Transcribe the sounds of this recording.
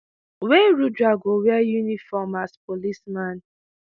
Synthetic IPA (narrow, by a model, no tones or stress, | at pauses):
weɾudɹaɡowɛajunifɔmaspolismãn